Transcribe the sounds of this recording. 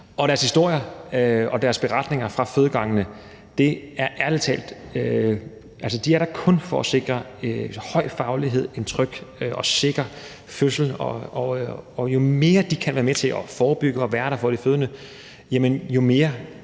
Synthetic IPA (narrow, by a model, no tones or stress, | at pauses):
ʔɒ̽ɾ̥æɐshisd̥o̝ɐ̰jɐɒ̽d̥æɐsb̥e̝ʁɑ̈d̥ne̝ŋɐfʁɑ̈føːð̞ˠəɡ̥ɑ̈ŋənə | d̥e̝æɐʔæɐ̥et͡sʰɛ̰ːld̥ø | ʔæls̬əd̥iæɐɾɑ̈kʰɔ̽nfɒ̽ɒse̝ɡ̥ʁɐ | hɒ̽ɪ̰fɑ̈ʊliɦe̝ð̞̰ˠe̝nt͡sʰʁœɡ̥ʔɒ̽se̝ɡ̥ʁɐ | føsl̩ɒɒɒjo̝me̝ːɐd̥ikʰænʋæːɐmet͡sʰe̝lʔɒfɒːb̥yɡ̥əɒ̽ʋæɐɾ̥ɑfɒd̥iføːðˠnə | jæmənjo̝me̝ːɐ